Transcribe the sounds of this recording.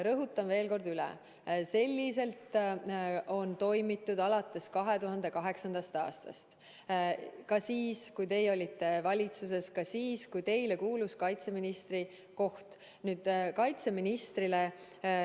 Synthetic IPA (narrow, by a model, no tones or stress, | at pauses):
ɾɤɦut̪ːˑɑmve̞ːlko̞rd̪ylɛ̰ | se̞lʲːise̞lt̪ | o̞nt̪o̞jmit̪ːˑud̪ɑlɑt̪ːˑe̞skɑɦe̞t̪uɦɑnd̪̥e̞kɑɦe̞ksɑnd̪̥ɑst̪ɑ̰ːst̪ɑ̰st̪ | kɑsiːskujt̪e̞jo̞lʲit̪ːˑe̞vɑlʲit̪sus̬e̞skɑsiːskujt̪e̞jle̞kuːluskɑjt̪se̞minist̪ri | ko̞ht̪ | nyːd̪̥kɑjt̪se̞minist̪rile